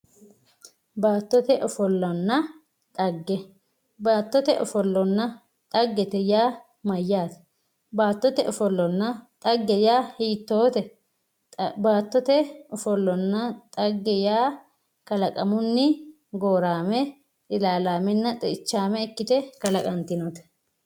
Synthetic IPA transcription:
baːt̪ːɔt̪ɛʔɔfɔlːɔnːɐ | t̪ʼɐɡːɛ | baːt̪ːɔt̪ɛʔɔfɔlːɔnːɐ | t̪ʼɐɡːɛt̪ɛjaː | mɐjːaːt̪ɛ̥ | baːt̪ːɔt̪ɛʔɔfɔlːɔnːɐt̪ʼɐɡːɛjaːhiːt̪ːoːt̪ɛ | baːt̪ːɔt̪ɛɔfɔlːɔnːɐt̪ʼɐɡːɛjaː | kɐlɐkʼɐmʊnːɪ | ɡoːɾaːmɛ | t̪ʼɪlaːlaːmɛnːɐt̪ʼɛɪt͡ʃːaːmɛɪkːɪt̪ɛkɐlɐkʼɐnt̪ːɪnɔt̪ɛ̥

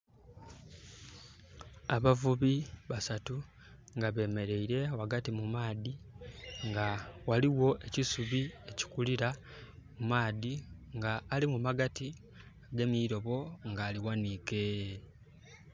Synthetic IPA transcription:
aβavuβiβasatu | ŋɡaβe̞ːme̞ɾe̞iɾe̞waɡatimumaːðiŋɡawaliwo̞ʔe̞cisuβie̞ci̥kuliɾamumaːðiŋɡaːlimumaɡati | aɡe̞miːɾo̞βo̞ŋɡaːliwanike̞

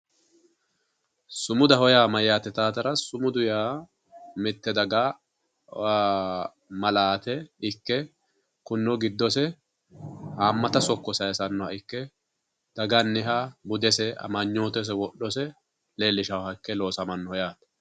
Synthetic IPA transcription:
sʊmʊd̪ɐhɔjaːmɐjːaːt̪ːɛt̪aːt̪ɐɾɐsʊmʊd̪ʊjaː | mɪt̪ːɛd̪ɐɡaː | mɐlaːt̪ɛɪkːɛ | kʊnːɔɡɪd̪ːɔsɛ | haːmːɐt̪ɐsɔkːɔsɐjɛsɐnːɔɐɪkːɛ | d̪̥ɐɡɐnːɪɦabʊd̪ɛsɛɐ̰mɐɲːoːt̪ɛs̬ɛwɔɗɔsɛ | le̞ːlːɪʃɐwhɐɪkːɛlo̞ːsɐmɐnːɔhɔjaːt̪ɐ

